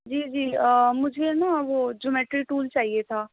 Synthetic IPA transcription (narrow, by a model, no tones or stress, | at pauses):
d͡ʒiːd͡ʒiːəmʊd͡ʒʱenaʋoːd͡ʒoːmɛːʈɾiʈuːlt͡ʃaːɦiet̪ʰaː